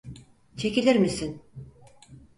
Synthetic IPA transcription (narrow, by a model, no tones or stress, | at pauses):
t͡ʃʰe̞cilʲiɾmisin